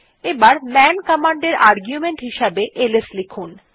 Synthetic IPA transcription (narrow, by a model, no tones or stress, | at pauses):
ebaɾmɛnkɔmaɳɖeɾaɾɡjumeɳʈɦiʃabeʔeleslikʰun